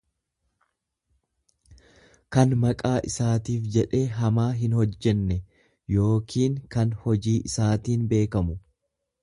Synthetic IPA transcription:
kɐnmɐkʼaːʔɪsaːt̪iːfd͡ʒɛᶑe̞ːɦɐmaːɦɪnhɔd͡ʒːɛnːɛ | jo̞ːkʰiːŋkɐnhɔd͡ʒiːʔɪsaːt̪iːnbe̞ːkɐmʊ

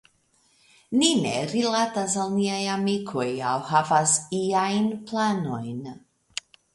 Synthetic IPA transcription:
ninḛɾilatasalniajamikʰojawhavasiajnplano̞jn

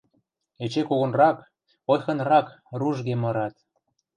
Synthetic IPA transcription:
et͡ɕekoɣə̆nrɑk | ojxɤ̆nrɑkruʒɣemɤ̆ɾɑt̪

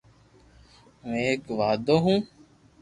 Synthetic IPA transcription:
mẽeːkʋaːd̪oːɦũː

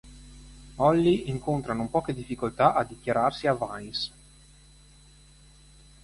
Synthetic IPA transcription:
ɔlːiʔiŋkont̪ɾanopɔːked̪ifːikolt̪aʔad̪ikjaɾarsiavajs

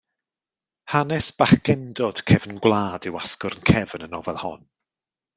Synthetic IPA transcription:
hanɛsb̥aχɡ̥ɛndɔd̥kʰɛvnɡwlˠaːdɪwaskʊɾnkʰɛvnənɔvɛlˠhɔ̰n

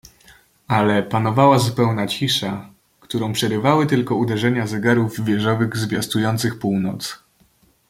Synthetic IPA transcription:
alɛpanɔvawazupɛwnat͡ɕiʂa | kt̪uɾɔ̃w̃pʂɛɾɘvawɘt̪ɘlkɔud̪ɛʐɛɲazɛɡaɾuvvʲjɛʐɔvɘɣzvʲjast̪ujɔnt̪sɘxpuwnɔt̪s

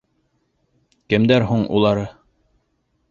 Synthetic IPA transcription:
kɘ̆md̪æɾɦuɴṵlˠɑɾɤ

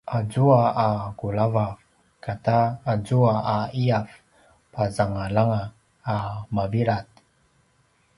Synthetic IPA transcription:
ʔad͡zuaaɡulavaf | kʰataːd͡zuaaiaf | pazaŋalaŋaː | maviɾat̪̚

